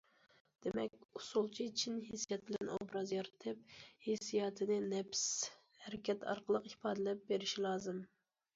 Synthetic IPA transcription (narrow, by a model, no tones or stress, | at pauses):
d̪̥emɛkʲusulˠt͡ʃʰit͡ʃʰinɦisjɛt̪̚bɪlɛno̰bɾɑzjɑɾɨt̪ʰɨp̚hesijɑːt̪ʰɨnɨnɛps | hɛɾɪkʲʰɛt̪ʰɑ̰ɾqʰəlˠəqipɑːd̪ɪlɛp̚beɾɪʃilˠɑːzɨm